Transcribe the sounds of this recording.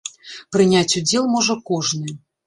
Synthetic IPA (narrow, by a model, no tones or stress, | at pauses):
pɾɨnʲat͡sʲud͡zʲɛlˠmɔʐɐkɔʐnɨ